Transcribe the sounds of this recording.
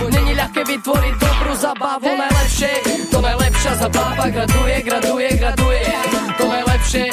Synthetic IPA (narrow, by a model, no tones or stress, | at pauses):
nɛɲiʎʲaxkɛbit̪vɔɾit̚d̪ɔbɾuzabavunajlˠɛpʃɛt̪ɔmajlˠɛpʃazabavaɡɾad̪ujɛɡɾad̪ujɛɡɾad̪ujɛt̪ɔmajlˠɛpʃɛ